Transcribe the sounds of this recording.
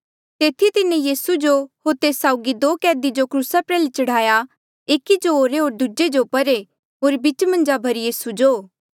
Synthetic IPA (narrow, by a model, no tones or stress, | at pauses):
t̪eːt̪ʰit̪ɪnẽjiːsud͡ʒohoːɾt̪eːsaːʊɡid̪oːkɛːd̪id͡ʒokɾuːsapɾɛːlit͡ʃɐɽ̤aːja | eːkid͡ʒoɦoːɾeɦoːɾd̪ud͡ʒed͡ʒopɐɾe | ɦoːɾbit͡ʃmɐ̃nd͡ʒabʱɐɾijiːsud͡ʒoː